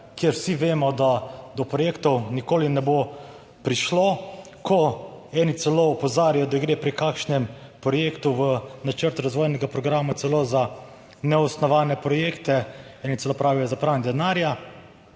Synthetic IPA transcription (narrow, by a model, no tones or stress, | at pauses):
kjeɾwsiʋeːmɔd̪ad̪ɔpɾɔjeːkt̪ɔwnikoːlinɛbo | pɾiʃlo | kʰɔɛnit̪sɛloɔpɔzaːɾijɔd̪aɡɾeːpɾikaːkʃnɛmpɾɔjeːkt̪uʋənat͡ʃəɾt̪ɾazʋoːjnɛɡapɾɔɡɾaːmat̪sɛloza | nɛɔsnɔʋaːnɛpɾɔjeːkt̪ɛɛːnit̪ɛloːpɾaːʋijɔzapɾand̪ɛnaːɾja